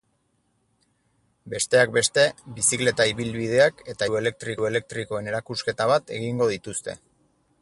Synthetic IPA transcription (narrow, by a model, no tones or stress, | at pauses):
be̞st̪e̞ak̚be̞st̪e̞bisikle̞t̪aiβilβið̞e̞ake̞t̪ae̞le̞k̚t̪ɾiku̞e̞le̞k̚t̪ɾiko̞e̞ne̞ɾakuske̞t̪aβat̪e̞ɣiŋɡo̞ð̞it̪ust̪e̞̰